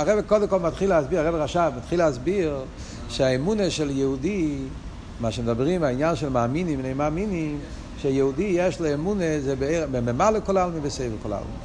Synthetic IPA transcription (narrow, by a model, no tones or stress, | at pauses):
aʁɛbekɔdɛmkɔlˠmat̪χilasbiʁaʁɛbeʁaʃamat̪χilazbiʁ | ʃeaɛmunəʃɛljɛhudi | maʃəmed̪abʁimainjanʃɛlmaːminimneɪmaminim | ʃɛjɛhudijɛʃlɛɛmunəzɛbbemɛmaləkɔlalmivəseɪvɛkɔla̰lˠmḭ